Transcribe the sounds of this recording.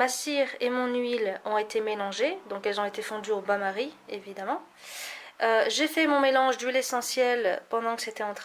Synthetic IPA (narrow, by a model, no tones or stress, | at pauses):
asiʁemɔ̃nɥilɔ̃et̪emelɑ̃ʒed̪ɔ̃kɛlzɔ̃et̪efɔ̃d̪yobamaʁievid̪amɑ̃ | øʒefɛmɔ̃melɑ̃ʒd̪ylesɑ̃sjɛlpɑ̃d̪ɑ̃kə̥set̪ɛɑ̃t̪χ